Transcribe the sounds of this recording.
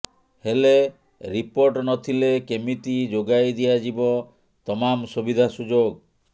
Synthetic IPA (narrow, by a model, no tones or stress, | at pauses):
hele | ɾipoɾʈnɔt̪ʰilekemiʈid͡ʒoɡajd̪ijad͡ʒibɔ | t̪ɔmamsubid̪ʱasud͡ʒoɡ